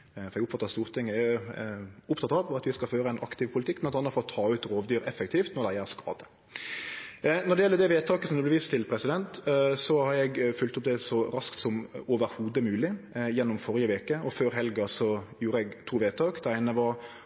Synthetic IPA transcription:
fɔɾɛɡʊpfɑt̪ːəst̪uːʁt̪ʰɪŋːəɛ | ʊpt̪ʰɑt̪ɑʋɑt̪ʋɪskɑlføːɾəæɪnʔɑ̰kt̪ɪʋpʰʊlt̪ɪkːmɛnɑnːəfɔɾɔt̪ʰɑːʉːt̪ɾoːʋd̪yːɾɛfəkt̪ʰiːft̪nɔɾɖ̪æɪæɾskɑ̰ːd̪ə̥ | nɔdɖɛjɛlːəd̪ɛʋeːt̪ʰɑːkəsɔmd̪ʉblɛʋiːst̪ʰɪlpʰɾɛsɪd̪ɛnt̪sɔhɑɾɛɡfʉlt̪ʊp̚d̪ɛsɔɾɑskt̪sɔmoːʋəɾhuːd̪əmʉːlɪjɛnːɔmfɔɾɪəʋeːkəɔføːɾɦɛlɡɑsɔjuːɾəɛɡt̪ʰuːʋeːt̪ʰɑːkd̪̥ɛæɪnəʋɑɾ

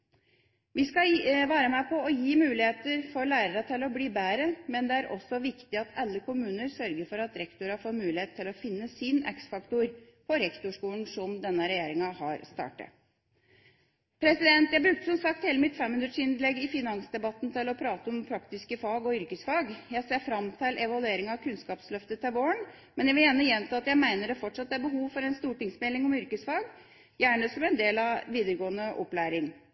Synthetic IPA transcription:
ʋɪskɑʋɑːɾəmæpʰɔɔjiːmʉːlɪheːt̪əɾfɔɾlæːɾəɾət̪ʰɪlɔbliːbæːɾəmɛnd̪ɛæɾʔɔ̰sːɔʋɪkt̪ɪɑt̪ʰɑlːəkʊmʉːnəɾsœɾɡəɾfɔɾɑt̪ɾɛkt̪ʊɾɑfɔmʉːlɪheːt̪ʰːɪlɔfɪnːəsɪnɛ̰ksfɑkt̪ʊɾ | pʰɔɾɛkt̪ʊʂkuːəɳsɔmd̪ɛnːəɾɛjeːɾɪŋɑhɑɾst̪ɑ̰ːʈə̰ | pʰɾɛsɪd̪ɛnt̪jæɪbɾʉk̚t̪ə̥sɔmsɑk̚t̪heːləmɪt̪fɛmhʉnɾəʂɪnd̪lɛɡːɪfɪnɑŋsd̪ɛbɑt̪ːnt̪ʰɪlɔpʰɾɑːt̪əɔmpʰɾɑkt̪ɪskəfɑːɡɔʏɾkəsfɑːɡjæɪseːɾfɾɑmt̪ʰɪlʔɛʋɑlʉeːɾɪŋɑʋkʰʉnskɑːpslœft̪ət̪ʰɛʋoːəɳ | mɛnjæʋɪljæːnəjɛnt̪ʰɑːɑt̪jæɪmæɪnəɖɛfɔʈʂɑt̪ːæɾbəɦuːʋfɔɾɛnst̪uːʈɪŋsmɛlɪŋɔmʏɾkəsfɑːɡ | jæːɳəsɔmɛnd̪eːlɑʋiːd̪əɾəɡoːənəʔɔ̰plæːɾɪŋ

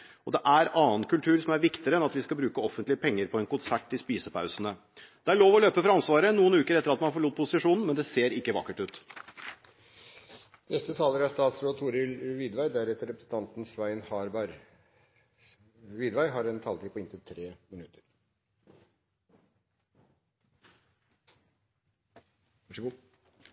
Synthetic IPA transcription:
ɔd̪ɛʔæɾɑːənkʉlt̪ʰʉːɾsɔmæɾʋɪkt̪ɪɾəɛnɑt̪ʋɪskɑlbɾʉːkəɔfənt̪lɪəpʰɛŋːəɾpʰɔɛnkʊnsæʈːɪspiːsəpʰɑʉsənə | d̪̥ɛæɭoːʋɔløːpəfɔɾɑnsʋɑːɾənuːənʉːkəɾɛt̪əɾɑt̪mɑnfɔɭuːt̪̚pʰʊsɪʂuːnn̩mɛnd̪ɛseːɾɪkːəʋɑ̰kːəʈʉːt̪ | nɛst̪ət̪ʰɑːləɾæst̪ɑːt̪sɾoːd̪t̪ʰuːɾɪlʋid̪ʋæɪd̪æɾɛt̪ːəɾɛpɾəsn̩t̪ʰɑnt̪n̩sʋæɪnhɑɾbɑɾ | ʋiːd̪ʋæɪɦɑɾɛnt̪ʰɑːlt̪iːpʰɔɪnt̪ət̪ʰɾeːmɪnʉt̪əɾ

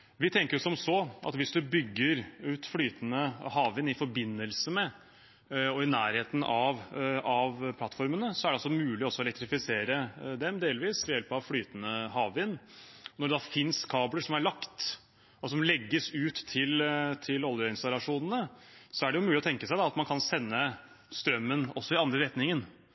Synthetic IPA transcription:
ʋɪt̪ʰɛŋkəɾjʊsɔmsɔʔɑ̰t̪ʋɪsd̪ʉbʏɡːəɾʉːt̪flyːt̪ənəhɑːʋɪnɪfɔɾbɪnːəlsəmɛ | ɔɪnæːɾheːt̪ən̩ʔɑʋɑʋpʰlɑt̪ːfɔɾmənəsɔæɾɖɛɑlsɔmʉːlɪɔsːɔɛlɛkt̪ɾɪfɪseːɾəd̪ɛmd̪eːlʋiːsʋɛjɛlpɑʋflyːt̪ənəɦɑːʋɪnːnɔɖɛd̪ɑfɪnskʰɑːbləʂɔmæɭɑkt̪ | ɔsɔmlɛɡːəsʉːt̪ʰːɪlt̪ʰɪlɔlˠjəɪnst̪ɑlɑʂuːnənəsɔæɖɛjʊmʉːlɪɔt̪ʰɛŋkəsæɪd̪ɑɑt̪mɑnkʰɑnsɛnːə | st̪ɾœmːənɔsːɔɪɑnd̪ɾəɾɛt̪nɪŋən

